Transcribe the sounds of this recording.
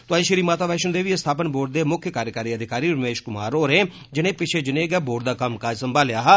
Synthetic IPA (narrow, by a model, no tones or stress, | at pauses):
t̪ʊaːiʃəɾiːmaːt̪aːʋɛːʃənd̪eːʋiːest̪ʰaːpənboːɖ̚d̪eːmʊkʰjəkaːɾjəkaːɾiːəd̪ɪkaːɾiːɾəmeːʃkʊma̰ːɾoːɾẽː | d͡ʒɪnẽːpɪt͡ʃʰeːd͡ʒɪnẽːɡɛːboːɖ̚d̪aːkɐmkaːd͡ʒsəmbaːljaːɦaː